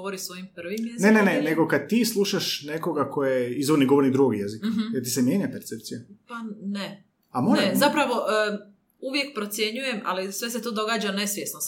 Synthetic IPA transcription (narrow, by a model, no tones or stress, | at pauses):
oɾisʋo̞jimprʋimjeneneneneɡo̞kad̪̚t̪islˠuʃaʃne̞ko̞ɡakʰojeizʋoɾniɡo̞ʋoɾnid̪ɾuɡoɡijezikɦjeɾt̪isemjeɲapeɾt̪sep̚t̪sijapane | amonaezapɾaʋo̞ʔ | uʋje̞k̚pɾo̞t̪sje̞ɲuje̞mʔa̰lisʋe̞s̬et̪o̞d̪o̞ɡaːd͡ʒane̞sʋjesno